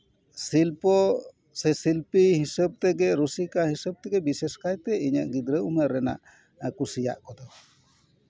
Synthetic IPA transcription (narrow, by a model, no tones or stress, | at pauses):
silpɔ | sɛsilpiɦisəb̚t̪ɛɡɛɾusikahisəb̚t̪ɛɡɛbisɛskajt̪ɛiɲa̰ʔɡid̪ɾəuməɾːɛna̰ʔ | kusija̰ʔkɔd̪ɔ